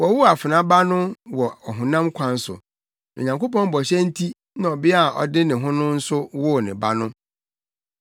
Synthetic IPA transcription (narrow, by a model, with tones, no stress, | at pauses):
wɔ˨wʊ˦a˨fɪ˨nã˦ba˦nʊ̃˦wɔ˨ɔ˨ɦʊ̃˨nã˦mkʷʰã˨n̩˦sʊ̰˨ | ḭ˨ɲã˨ŋko˦pɔ̃˦m˦bɔ˨ɕɛ˦n̩˦tʰi˦ | nã˨ɔ˨bɪ˦a˦˨ʔɔ̰˨dɪ˦nɪ̃˨ɦʊ̃˦nʊ̃˦n̩˦sʊ˦wʊ˦˨nɪ̃˨ba˦nʊ̃˦